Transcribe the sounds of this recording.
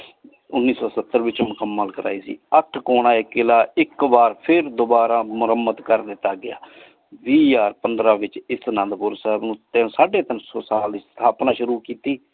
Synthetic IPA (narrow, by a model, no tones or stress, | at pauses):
ʊnːiːsɔːsət̪ːəɾʋɪt͡ʃmʊkəmːəlkəɾʔa̰ːiːsḭːəʈʰkoːɳãːekɪlaːɪkbaːɾpʰɪɾd̪ʊbaːɾaːmʊɾəmːət̪kəɾd̪ɪt̪ːaːɡɪja̰ː | ʋiːjaːɾpənd̪ɾaːʋɪt͡ʃɪsnə̃nd̪pʊɾsɛɦbnũːt̪esaːɖeːt̪ənsosaːlɪst̪ʰaːpnãːʃʊɾuːkiːt̪iː